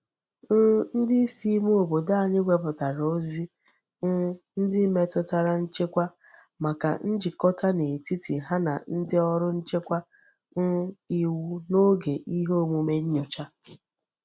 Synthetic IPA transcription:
n̩˦dɪ˦i˦si˦mu˦o˨bo˨da˦a˨ɲɪ˦ɡʷe˨˦pʊ˨ta˨ɾo˦zi˦ | n̩˦dɪ˦me˦tʊ˦ta˨ɾa˦n̩˦t͡ʃe˦kʷa˦ | ma˨ka̰˨n̩˦d͡ʒɪ˨kɔ˦ta˦ne˨ti˦ti˨ɦa˦na̰˨n̩˦dɪ˦ɔ˦ɾʊ˦n̩˦t͡ʃe˦kʷa˦ | n̩˦i˨wu˦no˦ɡe˨ʔi˦ɦo˦mu˨me˦ɲ̩˦ɲɔ˨t͡ʃa˦

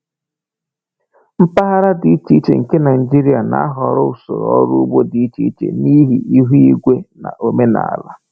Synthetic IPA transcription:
m̩˦pa˦ɦa˦ɾa˦di˨i˦t͡ʃi˦i˦t͡ʃḛ˨ŋ̩˨ke˦na˨ɪ˨d͡ʒi˦ɾi˦a˨na̰˦a̰˦ɦɔ˨ɾʊ˦u˨so̰˨ɾɔɔ˦ɾu˦u˦bo˦di˨i˦t͡ʃi˨˦i˦t͡ʃḛ˨ni˦ɦi˨i˦ɦu˦i˦ɡʷe˦na̰˨ʔo˦me˦na̰˨a̰˨la̰˦

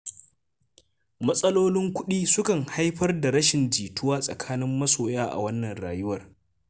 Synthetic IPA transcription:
mɐ˦sʼɐ˦loː˦lɪ˦ŋkʷʊ˦ɗiː˦sʊ˦kɐ˨ŋha˦jɸɐ˦rda˨ɾɐ˦ʃɪ˨nd͡ʒiː˨tʊ˦waː˦sʼɐ̰˨kʰaː˦nɪ˦mːɐ˦soː˨jaː˦ʔa̰˨wɐ˦nːɐ˨nɽaː˨jʊ˦wɐ˨r

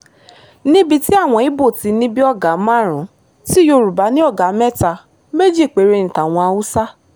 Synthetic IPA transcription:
nĩ˦bi˧ti˦a˦˨w̃ɔ̃˧i˨˦bo˦˨ti˧nĩ˦bi˦ɔ˦˨ɡa˨˦mã˦˨ɾ̃ũ˨˦ | ti˦jo˧ɾu˨ba˨˦nĩ˦ɔ˦˨ɡa˨˦mɛ˦˨ta˧ | me˦d͡ʒi˦˨k͡pe˨˦ɾe˧ñ̩˨tã˨w̃ɔ̃˧a˧u˦sa˦

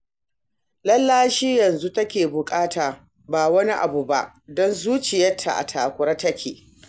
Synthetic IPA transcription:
lɐ˦lːaː˦ʃiː˦jɐ˨nzu˦tɐ˦kʲeː˨bʊ˨kʼaː˦taː˨ | baː˨wɐ˦ni˦ʔa˨bu˨ba˦ʔ | dɔ˦nzuː˦t͡ʃɪ˨jɐ˦tʰːa̰˨ʔa̰˨tʰaː˨kʷʊ˨ɾɐ˦tɐ˦kʲʰeː˨

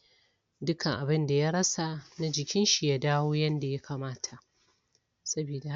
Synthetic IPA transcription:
dʊ˦kʰa˨ŋʔa˨bɪ˦nda˨ja˦ɾɐ˦sa˨na˦d͡ʒɪ˨kʲɪ˦nʃi˨ja˦daː˦woː˦jɐ˦nda˨ja˦kʰaː˨maː˦tʰa˨ʔ | sɐ˦biː˨da˨

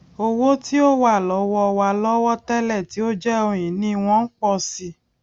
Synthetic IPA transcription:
o˧wo˦ti˦o˦wa˦˨lɔ˨˦wɔ˦ɔ˧wa˧˨lɔ˦wɔ˦tɛ˦lɛ˦˨ti˨˦o˦d͡ʒɛ˦o˧j̃ĩ˨nĩ˦˧w̃ɔ̃˦n̩˦k͡pɔ˧si˧

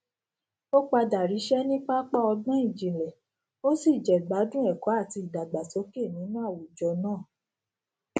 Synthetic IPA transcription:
o˦k͡pa˧da˨ɾi˨˦ʃɛ˦nĩ˦k͡pa˦k͡pa˦ɔ˧ɡ͡bã˦i˦˨d͡ʒi˨lɛ˨ | o˦si˦˨d͡ʒɛ˨ɡ͡ba˨˦dũ˦ɛ˦˨kɔ˨˦a˦˨ti˧˦i˨da˨ɡ͡ba˨to˨˦ke˦˨nĩ˨˦nũ˦a˦˨wu˨d͡ʒɔ˧nãː˦˨

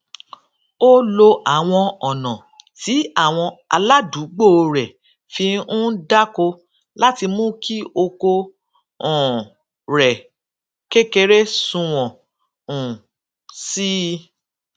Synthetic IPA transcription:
o˦lo˧ʔa˨w̃ɔ̃˧ɔ˨nɔ̃˨ | ti˨˦a˦˨w̃ɔ̃˧a̰˧la˦du˨˦ɡ͡bo˦˨˧ɾɛ˨ | fĩ˧ũ˦da˦ko˧ | la˦ti˧mũ˦ki˦o˧ko˧ | ɔ̃˨ | ɾɛ˨ | ke˦ke˧ɾe˦sũ˧w̃ɔ̃˨ | ũ˨ | si˦

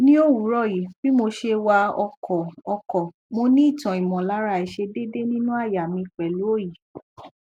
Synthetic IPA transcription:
nĩ˦o˦˨wu˨˦ɾɔ˦˨ji˨fi˦mo˧ʃe˧wa˧ɔ˧kʰɔ˨ɔ˧kɔ˨ | mo˧nĩ˦˨tã˨i˨mɔ̃˨la˨˦ɾa˧˨i˨ʃe˧de˦de˦nĩ˦nũ˦a˦˨ja˨mĩ˧k͡pɛ˨lu˨˦o˦˨ji˨

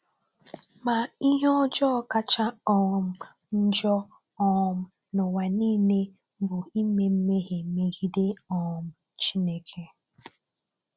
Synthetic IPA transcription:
ma˨i˦ɦɔ˦d͡ʒɔ˦˨ka˦t͡ʃa˦ɔ˦˨m̩˨n̩˦d͡ʒɔ˦ɔ˦˨m̩˨nʊ˨wa˨niː˦ne˦bʊ˨i˦me˨m̩˦me˦ɦe˨me˨ɣi˦de˦ɔ˨m̩˨t͡ʃi˦ne˦kʰe˦

